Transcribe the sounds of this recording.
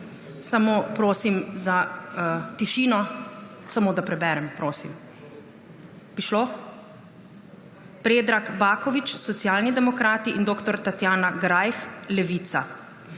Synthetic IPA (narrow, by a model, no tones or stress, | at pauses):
samoːpɾoːsimza | t̪iʃiːnɔ | samoːd̪apɾɛbɛːɾɛmpɾoːsim | pɾiʃlo | pɾeːd̪ɾakbaːkɔʋit͡ʃsɔt̪sjaːlnid̪ɛmɔkɾaːt̪iʔind̪oːkt̪ɔɾt̪at̪jaːnaɡɾajflɛʋiːt̪sa